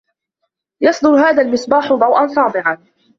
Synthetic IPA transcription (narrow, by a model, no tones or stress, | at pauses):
jɑsˤd̪ʊɾɦaːðalmɪsbaːħʊd̪ˤɑwʔɑnsˤɑːd̪ˤɪʕan